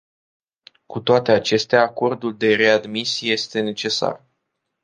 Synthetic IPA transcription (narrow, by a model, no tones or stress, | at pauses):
kut̪oat̪e̞at͡ʃe̞st̪eaːko̞rd̪uld̪e̞ɾe̞ad̪misije̞st̪e̞ne̞t͡ʃe̞sa̰r